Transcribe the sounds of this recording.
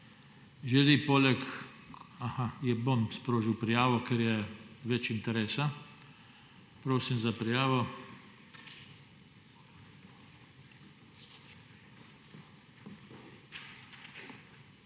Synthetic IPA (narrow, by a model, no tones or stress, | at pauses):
ʒɛlipoːlɛk | ahajɛbomspɾoːʒiwpɾijaːʋɔkɛɾjɛʋɛt͡ʃint̪ɛɾeːsa | pɾoːsimzapɾijaːʋɔ